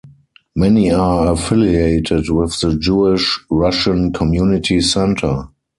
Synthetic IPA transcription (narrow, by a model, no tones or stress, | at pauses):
mɛniaəfɪlieɪtʰɪtwɪθðəd͡ʒuɪʃɹaʃə̃nkʰɔmjunɪtʰisɛ̃ntʰə˞